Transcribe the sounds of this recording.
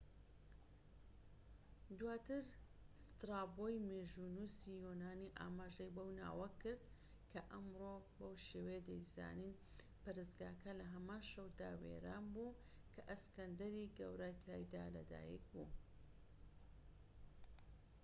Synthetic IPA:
d̪waːt̪ɨɾ | st̪ɾaːbojmeʒunuːsijonaːniʔa̰ːmaːʒɐjbɐwna̰ːwɐkɨɾd̪ | kʰɐʔɐmɾobɐwʃeːwejd̪ɐjza̰ːnin | pɐɾɨsɡaːkʰɐlɐɦɐmaːnʃɐwd̪a̰wḛɾaːnbuː | kʰɐʔɐskɐnd̪ɐɾiɡɐ̰wɾajt̪ʰaːjd̪alɐ̰d̪a̰ːjḭk̚bu

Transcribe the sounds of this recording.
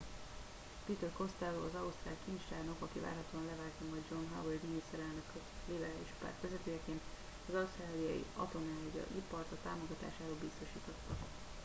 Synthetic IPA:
pit̪ørko̞st̪aːloɒzɒust̪raːlkint͡ʃt̪aːrno̞kɒkiva̰ːrɦɒt̪oːɒnlɛvaːlt̪ɒmɒjd̪d͡ʒo̞nɦa̰weld̪inist̪ɛɾɛlnø̞k | libɛɾaːliʃpa̰ːrt̪ʋɛzɛt̪øːjɛkeːn | ɒzɒust̪raːlijɒ̰jḭɒ̰t̪o̞naːjɒ̰ʔipɒrt̪ɒt̪aːmo̞ɡɒt̪a̰ːʃaːɾoːlbist̪o̞ʃiːt̪o̞t̪ːɒ

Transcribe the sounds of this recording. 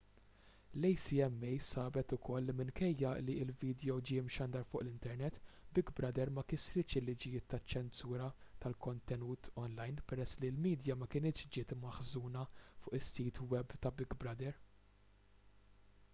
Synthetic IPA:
lɛjsiɛmːɛjsɐːbɛt̪ʊkʰɔlːimɪnkɛjːɐliɪlviːd̪jɔwd͡ʒɪɪmʃɐnd̪ɐɾfʊːʔlɪnt̪ɛɾnɛt̪ːbɪɡbɾɐd̪ɛɾmɐkɪsɾɪt͡ʃɪlːɪd͡ʒɪjɪːt̪ːɐt͡ʃːɛnsuːɾɐt̪ɐlkɔnt̪ɛnuːt̪ʰɔnlɐjnpɛɾɛsːlilmiːd̪jɐmɐkɪnɪːt̪ʃd͡ʒɪːt̪mɐħzuːnɐfʊːʔɪsːiːt̪wɛbt̪ɐbɪɡbɾɐd̪ɛɾ

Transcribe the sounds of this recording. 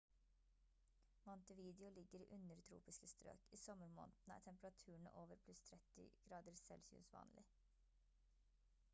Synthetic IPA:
mɔnt̪əʋiːd̪ɪʊlɪɡəɾiːʔʉnəɾt̪ʰɾṵːpɪskəst̪ɾø̰ːkiːsɔməɾmo̰ːnt̪næ̰ːʈʰɛmpəɾɑt̪ʰʉːəɳ̩ə̰ʔoːʋəɾpʰlʉst̪ʰɾɛt̪ɪ̰ɡ̥ɾɑːd̪əɾsɛ̰lsɪʉ̰ːsʋɑ̰ːnlʔɪ

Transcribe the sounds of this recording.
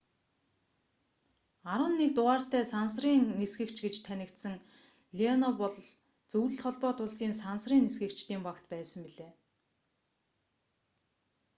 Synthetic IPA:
aɾwə̆nːek̚t̪ʊʁaːr̥t̪æːsansriːŋnesɡɘ̆kt͡ɕɡet͡ɕt̪ʰænʲɪ̆kt̪sɘ̆ŋ | ɮiɔnɔpɔɮ | t͡sɵwɮɵ̆ɮχɔɮpɔːt̪ʊɮsiːnsansriːnesɡɘ̆kt͡ɕt̪iːmpakt̪pæːsə̆mpiɮeː

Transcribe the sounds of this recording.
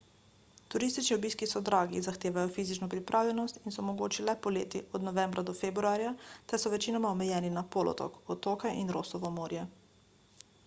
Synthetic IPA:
t̪uɾist̪it͡ʃniɔbiːskisɔd̪ɾaːɡizaxt̪eːʋajɔfiːzit͡ʃnɔpɾipɾʔaːwlʲɛnɔst̪insɔmɔɡoːt͡ʃilɛpɔleːt̪iʔɔd̪nɔʋɛmbɾʔad̪ɔfebɾuaːɾjat̪ɛɾsɔʋɛt͡ʃinɔmaɔmɛjɛːninapoːlɔ̰t̪ɔ̰kɔt̪oːkɛʔinɾoːsɔʋɔmoːɾjɛ

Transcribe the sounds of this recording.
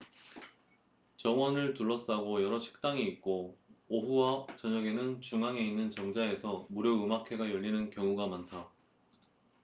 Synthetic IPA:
t͡ɕʌwʌnɯɭtuɭːʌs͈aɡojʌɾʌɕʰi̥k̚t͈aŋiit̚k͈ooɸuwat͡ɕʌɲʌɡe̞nɯnt͡ɕuŋaŋe̞inːɯnt͡ɕʌŋd͡ʑae̞sʰʌmuɾjoɯmakʰe̞ɡajʌʎːinɯnkjʌŋuɡamantʰa

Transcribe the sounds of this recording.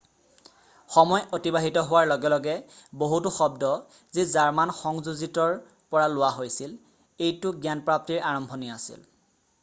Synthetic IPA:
xɔmɔjotibaɦitɔɦʊwaɹlɔɡɛlɔɡɛboɦutʊxɔbdɔ | zizaɹmanxɔŋzuzitɔɹ | pɔɹalʊwaɦojsil | ejtʊɡjanpɹap̚tiɹaɹɔmbʱɔniasḭl

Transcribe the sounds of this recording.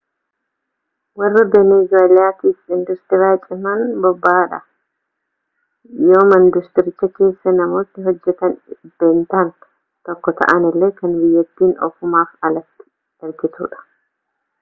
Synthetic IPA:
wɐrːɐbeneːzoːlɪaːt̪iːfɪnd̪ʊst̪ɪɾaːt͡ʃʼɪmɐnbɔbːaːᶑɐ̰ | jo̞ːmɐnd̪ʊst̪ɪɾɪt͡ʃːɐke̞ːsːɐnɐmo̞ːt̪nɪɦɔd͡ʒːɛt̪ɐnb̥eːnt̪aːn | t̪ɔkːɔt̪ʰɐ̰ʔɐnɪlːeːkɐnbɪjːɛt̪ːiːnɔ̰fʊmaːfɐlɐt̪ːɪ̥ | ɛlkɪsṵːᶑɐ̥

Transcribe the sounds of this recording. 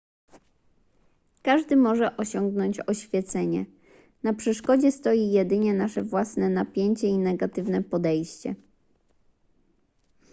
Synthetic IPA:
kaʐd̪ɘmɔʐɛʔɔɕɔŋɡnɔɲt͡ɕɔɕfʲjɛt̪sɛɲɛ | napʂɛʂkɔd͡ʑɛst̪ɔjijɛd̪ɘɲɛnaʂɛvwasnɛnapʲjeɲt͡ɕɛinɛɡat̪ɘvnɛpɔd̪ɛjɕt͡ɕɛ̰

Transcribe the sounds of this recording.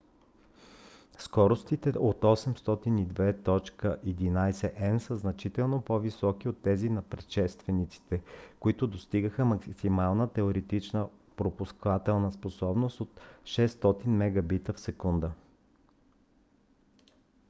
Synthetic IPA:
skɔɾost̪it̪ɛʔot̪ɔsɛmst̪ɔt̪inid̪vɛt̪ɔt͡ʃkəʔɛd̪inajsɛʔɛnsəznɐt͡ʃit̪ɛlˠnopɔvisɔkiot̪ːɛzinɐpɾɛt̪ʃɛst̪vɛnit̪si̥t̪ɛkoit̪ʊd̪ost̪iɡəxəmɐksimalˠnət̪ɛoɾɛt̪it͡ʃnə | pɾopuskvat̪ɛlˠnəsposɔbnost̪ot̪ʃɛst̪ɔt̪inmɛɡɐbit̪əfsɛkund̪ə

